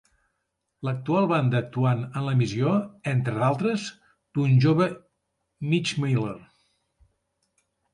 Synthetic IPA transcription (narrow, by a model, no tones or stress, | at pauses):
lək̚t̪ualˠβand̪əːk̚t̪uanənləmizioent̪ɾəðalˠt̪ɾəz | d̪̥unʒoβə | mit͡ʃmejleɾ